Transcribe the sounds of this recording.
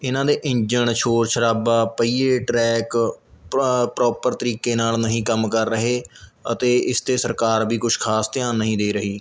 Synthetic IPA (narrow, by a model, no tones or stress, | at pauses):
ɪnãːd̪eːʔɪ̃ɲd͡ʒəɳʃʰoːɾʃʰəɾaːbaːpəiːeːʈɾɛːk | pɾɔːpəɾt̪əɾiːkeːnaːlnəɦĩːkəmkəɾːəɦeːət̪eːɪst̪eːsəɾkaːɾbʱiːkʊʃʰkʰaːst̪ɪjãːnːəɦĩːd̪eːɾəɦiː